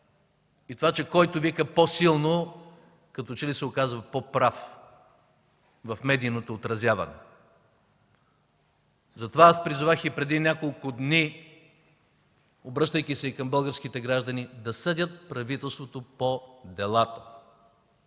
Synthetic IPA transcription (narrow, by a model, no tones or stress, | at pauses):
it̪ovat͡ʃɛkɔjt̪ʊvikəposilˠno | kɐt̪ɔt͡ʃɛlisɛokazvɐpopɾaf | vɐfmɛd̪iːnot̪oːt̪ɾɐzʲjavɐ̰nɛ̰ | zɐt̪ovaaspɾizʊvaxipɾɛd̪inʲakolˠkʊd̪ni | obɾɤʃt̪əjkʲisɛikɐmbɤlˠɡəɾsk̟it̪ɛɡɾaʒd̪ɐnid̪ɐsəd̪ʲət̪̚pɾɐvit̪ɛlˠst̪vot̪opod̪ɛlˠat̪ə̥